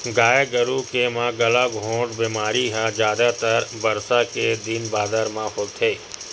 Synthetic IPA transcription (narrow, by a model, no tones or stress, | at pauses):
ɡaːeɡəɾukemãɡɐlaɡʱõːʈbiːmaːɾiɦãd͡ʒjaːd̪at̪əɾbɐɾsaked̪ɪnbaːd̪əɾmãhoːt̪ʰeː